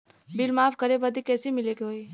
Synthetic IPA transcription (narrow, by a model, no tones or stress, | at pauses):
bɪlmaːfkɐɾebəd̪ikɛːsimɪlekɦoːi